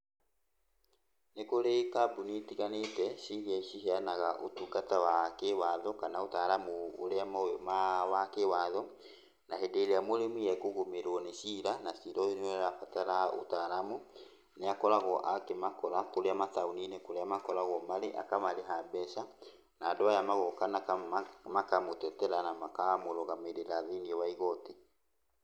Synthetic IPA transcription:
nekoɾekabunitiɣanetɛsiɾiaiʃiheanaɣaʔotuɡatawakewaðɔkanaotaɾamṵːɾeamaojɔmawakewaːðɔ | naɦedeɾeamoɾemijɛkoɣomeɾwɔnesiɾanasiɾɔonɛɾafataɾao̰taɾamu | neakɔɾaɣɔʔakemakɔɾakoɾeamataoninekoɾeamakɔɾaɣɔmaɾeʔa̰kamaɾeɦabɛʃa | naːdoajamaɣɔkanakamakamotɛtɛɾanamakamoɾɔɣameɾeɾaðeniɛwaiɣɔte

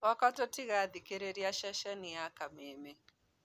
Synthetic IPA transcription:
wakatɔtiɣaðikeɾeɾiaʃaʃɛnijakameme

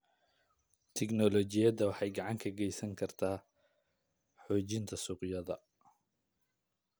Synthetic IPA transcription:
t̪ʰɛɡnɔlɔt͡ʃɪjɐdɐwɑħɑjɡɑʕɑŋkʰɐɡɛjsɐŋkʰɐrt̪ʰaː | ħɔːt͡ʃɪnt̪ʰɐsʊːqjɐðɐ

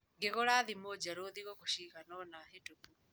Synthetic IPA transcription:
ŋɡeɣoɾaðimod͡ʒaɾoðiɣoɣoʃiɣanɔnahetopu

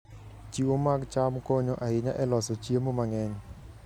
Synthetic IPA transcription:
t͡ʃiwomaɡt͡ʃamkoɲoʔaɪɲaʔɛlɔsot͡ʃiemomaŋɛɲ

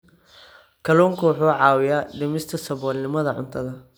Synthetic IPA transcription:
kʰɐlɔːŋkʰɐwʊħuːʕɑːwɪjaːɖɪmɪst̪ʰɐsɐβɔːlnɪmɐðɐʕʊ̰nt̪ʰɐðɐ

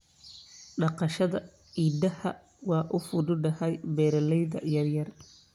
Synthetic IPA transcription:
ɖɑqɑʃɐðɐ | iːd̪ɐhɐ | wɑːʔʊfʊdʊɖɐhɛjbɛːɾɐlɛjðɐ̰jɐrjɐr

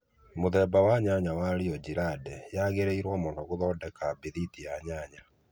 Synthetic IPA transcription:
moðɛːbawaɲaɲawaɾiɔd͡ʑiɾadɛjaɣeɾeiɾwɔmɔnɔɣoðɔdɛkabiðitijaɲaɲa

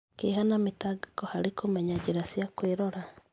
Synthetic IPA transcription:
keɦanametaɡḁkɔhaɾikomɛɲad͡ʒeɾasjakweɾɔɾa

